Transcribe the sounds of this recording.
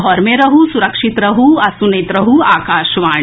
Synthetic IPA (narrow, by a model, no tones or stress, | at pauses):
ɦɔɾmeɾɐɦusuɾɐkʂit̪ɾɐɦuɐsunet̪ɾɐɦuaːkaːʃʋaː